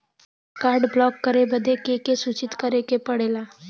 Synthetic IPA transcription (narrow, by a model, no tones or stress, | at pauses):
kaːɾɖblɔːkːəɾebəd̪ʱekekesuːt͡ʃɪt̪kəɾekepəɽeːlaː